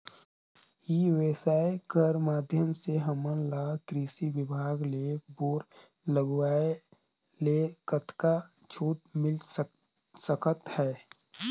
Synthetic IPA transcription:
jiʋeːsaːekəɾmaːd̪ʱjəmseɦəmənlaːkɾiːsiʋɪbʱaːɡleboːɾ | ləɡwaːe | lekət̪ka | t͡ʃʰuːʈ̚mɪl | səkət̪hɛː

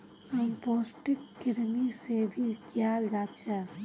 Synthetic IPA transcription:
ɦəmpoːsʈɪkːɪɾmisebʱikjald͡ʒat͡ʃʰɛ

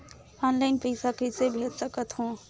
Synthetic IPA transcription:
ɔnlaɪnpəjsakəsebʱet̪səkət̪ɦũ

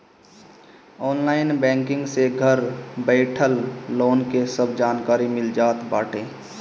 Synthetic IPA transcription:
ɔːnlaːɪnbɛ̃ːŋkɪ̃ŋɡseɡʱəɾbəɪʈʰəlːoːnkesəbd͡ʒaːnkaːɾimɪld͡ʒaːt̪baːʈʰẽː

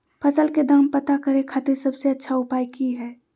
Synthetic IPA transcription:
pʰəsəlked̪əmpət̪akəɾẽkʰaːt̪eɾsəbseətːʃʰaʊpaːjkiɦɛː

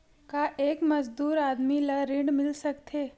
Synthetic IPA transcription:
kaʔeːkmɐzd̪uːɾaːd̪milɐɾɪ̃ɳɖmɪlsɐkt̪ʰeː

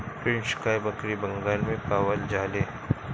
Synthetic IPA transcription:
pɪnʃkaːjbɐkɾibɐŋɡaːlmẽpaːwəld͡ʒaːleː

